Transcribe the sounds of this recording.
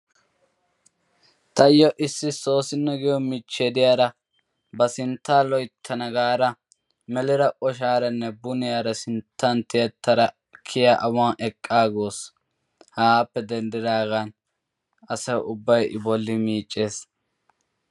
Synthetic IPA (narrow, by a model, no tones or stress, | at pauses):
t̪ɐjɔʔɪsːɪso̞ːsɪnːɔɡɪjɔmɪt͡ʃːed̪ɪjaːɾɐ | bɐsɪnt̪ːaːlɔjt̪ʰːɐnɐɡaːɾɐ | mɛlɪɾɐʔɔʃaːɾɐnːɛbʊnɪjaːɾɐsɪnt̪ʰːɐnt̪ɪɐt̪ːɐɾɐ | kʰɪjaʔɐwaʔɛkʼːaːɡoːs | haːpːɛd̪ɛnd̪ɪd̪aːɡan | ɐsɐjʊbːɐjʔɪ̰bɔlːɪmiːt͡ʃʼːeːs